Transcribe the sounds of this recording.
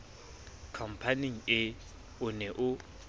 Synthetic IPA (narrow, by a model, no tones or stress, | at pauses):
kʰam̩pʰaniŋ̩ɪ | ʊnɛʔʊ